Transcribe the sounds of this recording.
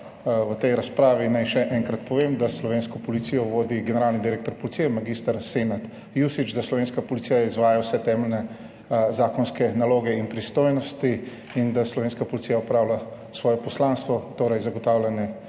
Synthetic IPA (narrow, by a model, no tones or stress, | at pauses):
ʋət̪ɛjɾaspɾaːʋinajʃɛʔɛŋkɾat̪pɔʋeːmd̪aslɔʋeːnskɔpɔlit̪sijɔʋoːd̪iɡɛnɛɾaːlnid̪iɾeːk̚t̪ɔɾpɔlit̪sijɛmaɡist̪aɾsenat̪ | jusit͡ʃd̪aslɔʋeːnskapɔlit̪sijaizʋaːjawsɛt̪ɛːmɛlnɛ | zaːkɔnskɛnaloːɡɛinpɾist̪oːjnɔst̪i | ind̪aslɔʋeːnskapɔlit̪ijaɔpɾaːwla | sʋɔːjɛpɔslanst̪ʋɔt̪oːɾɐjzaɡɔt̪aːwlʲɛnjɛ